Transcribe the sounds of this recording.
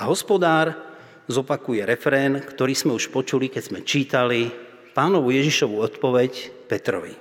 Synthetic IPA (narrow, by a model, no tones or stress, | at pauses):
aɦɔspɔd̪aːɾ | zɔpakujɛɾɛfɾɛːnkt̪ɔɾiːz̥mɛuʃpɔt͡ʃulikɛz̥mɛt͡ʃiːt̪ali | paːnɔʋujɛʒiʃɔʋuɔt̪pɔʋɛcpɛt̪ɾɔ̰ʋḭ